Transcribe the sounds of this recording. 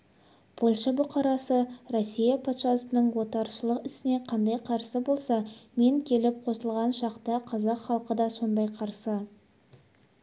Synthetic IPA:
pʰo̞lˠʃɑbʊqɑɾɑsəɾosːijɑpʰot̪ʃɑsənəɴwo̞t̪ɑɾʃəlˠəqɪsɪne̞qʰɑnd̪ɑjqʰɑɾsəbo̞lˠsɑme̞ŋkʲʰe̞lɪp̚qʰo̞səlˠʁɑnʃɑqt̪əqʰɑzɑqχɑlˠqəd̪ɑso̞nd̪ɑjqʰɑɾsə

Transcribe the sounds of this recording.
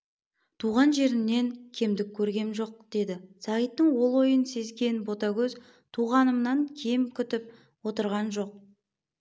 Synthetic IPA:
t̪ʰuʁɑnʒe̞ɾɪnːe̞ŋkʲʰe̞md̪ɪkʲʰːɵɾɡʲe̞nʒo̞q̚d̪̥e̞d̪ɪsɑʁət̪ːəɴwo̞lˠwo̞jənse̞zɡʲe̞nbo̞t̪ɑkʲɵz | t̪ʰuʁɑnəmnɑŋkʲʰe̞mkʲʰʏt̪ɪp̚ | wo̞t̪əɾʁɑnʒo̞q̚

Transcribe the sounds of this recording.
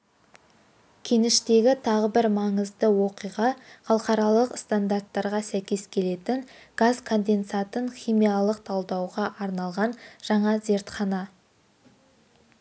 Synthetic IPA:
kʲʰe̞ŋɪʃt̪e̞ɡʲɪt̪ʰɑʁəbɪɾmɑɴəzd̪əwo̞qijʁɑχɑlˠqɑɾɑlˠəqst̪and̪art̪ːɑɾʁɑsæjkʲe̞zkʲʰe̞le̞t̪ɪŋɡ̥azkʰo̞nd̪e̞nsat̪əɴχʲijmijɑlˠəq̚t̪ʰɑlˠd̪ɑwʁɑʔɑɾnɑlˠʁɑnʒ̥ɑɴɑze̞ɾt̪χɑnɑ

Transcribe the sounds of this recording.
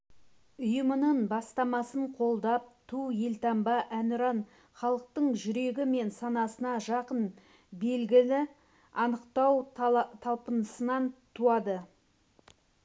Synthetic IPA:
ʊjəmənəɴbɑst̪ɑmɑsəɴqʰo̞lˠd̪ɑp̚t̪ʰuje̞lt̪ɑmbɑʔænʊɾɑn | χɑlˠəq̚t̪əɴʒʏɾe̞ɡʲɪme̞nsɑnɑsənɑʒɑqən | be̞lɡʲɪlɪ | ɑnəqt̪ɑwt̪ʰɑlˠpənəsənɑnt̪ʰuɑd̪ə

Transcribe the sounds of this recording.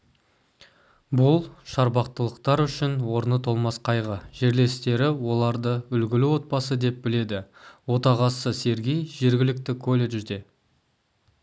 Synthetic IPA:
bʊlˠʃɑɾbɑq̚t̪əlˠəqt̪ɑɾʏʃɪnwo̞ɾnət̪ʰo̞lˠmɑsqʰɑjʁəʒ̥e̞ɾle̞st̪e̞ɾɪwo̞lˠɑɾd̪əʏlɡʲɪlɪwo̞t̪̚bɑsəd̪e̞p̚bɪle̞d̪ɪwo̞t̪ɑʁɑsəse̞ɾɡʲe̞jʒe̞ɾɡʲɪlɪk̚t̪ɪkʰolʲe̞ʒʒd̪e̞

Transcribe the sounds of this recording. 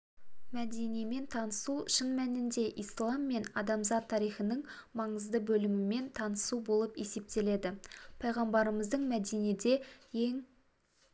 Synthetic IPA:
mæd̪e̞nijme̞nt̪ʰɑnəsuʃənmænɪnd̪e̞ʔislˠɑmːe̞nɑd̪ɑmzɑt̪ʰːɑɾijχənəɴmɑɴəzd̪əbɵlɪmɪme̞nt̪ʰɑnəsubo̞lˠəpe̞se̞p̚t̪e̞le̞d̪ɪpʰɑjʁɑmbɑɾəməzd̪əɴmæd̪ened̪e̞je̞ŋ

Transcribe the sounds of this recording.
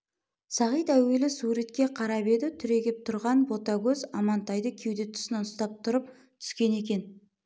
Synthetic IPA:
sɑʁijt̪æwe̞lɪsuɾet̪̚kʲe̞qʰɑɾɑpe̞d̪ɪt̪ʰʏɾe̞ɡʲɪp̚t̪ʰʊɾʁɑnbo̞t̪ɑɡʲɵzɑmɑnt̪ɑjd̪əkʲʰe̞wd̪e̞t̪ʰʏ̥snɑnʊst̪ɑp̚t̪ʰʊɾəp̚ | t̪ʰʏ̥skʲe̞ne̞kʲe̞n

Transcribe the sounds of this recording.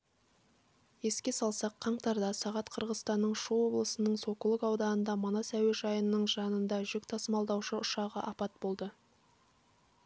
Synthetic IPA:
je̞skʲe̞sɑlˠsɑqʰːɑɴt̪ɑɾd̪ɑsɑʁɑt̪qʰəɾʁəzt̪ɑnːəɴʃuo̞blˠəsənəɴso̞kulˠəkɑwd̪ɑənd̪ɑmonɑsæweʒɑjənːəɴʒɑnənd̪ɑʒʏk̚ʲt̪ʰɑsəmɑlˠd̪ɑwʃəʊʃɑʁəʔɑpɑt̪̚bo̞lˠd̪ə

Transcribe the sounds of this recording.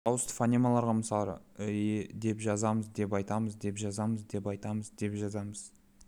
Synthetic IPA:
ɑwəst̪ə̥fanʲimalˠɑɾʁɑməsɑɾə̰ed̪e̞pʒɑzɑməzd̪e̞p̬ɑjt̪ɑməzd̪e̞pʒɑzɑməzd̪e̞pɑjt̪ɑməzd̪e̞pʒɑzɑməz̥

